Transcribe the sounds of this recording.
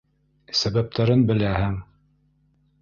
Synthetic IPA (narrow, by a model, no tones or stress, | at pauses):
sæβæp̚t̪ʰæɾɘnbɘ̆læhɘŋ